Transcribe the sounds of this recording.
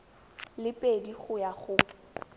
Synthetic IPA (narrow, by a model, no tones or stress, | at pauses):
lɪpʼediχʊjaχʊ